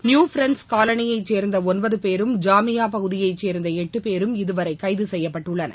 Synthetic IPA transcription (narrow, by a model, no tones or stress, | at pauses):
njuːfɾɛɳskaːlɐnɪjɐɪt͡ʃːeːɾnd̪ɐɔnbɐðɯpeːɾɯmd͡ʒaːmɪjaːpɐɣɯðɪjɐɪt͡ʃːeːɾnd̪ɐɛʈːɯpeːɾɯmɪðɯʋɐɾɐɪkːɐɪðɯsɛjːɐpːɐʈːɯɭːɐnɐ̰